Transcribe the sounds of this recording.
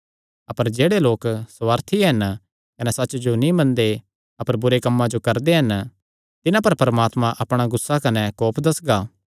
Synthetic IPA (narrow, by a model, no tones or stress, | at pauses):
ɐpəɾd͡ʒeːɽeloːksʋaːɾt̪ʰiɦɐn | kɐnɛsɐtːt͡ʃd͡ʒonĩmɐ̃nd̪e | ɐpəɾbʊɾekɐmːãd͡ʒokɐɾd̪eɦɐn | t̪ɪnãpɐɾpɐɾɐmaːt̪mãʔɐpɽ̃aɡʊsːakɐnɛkɔːpʰd̪ɐsɡaː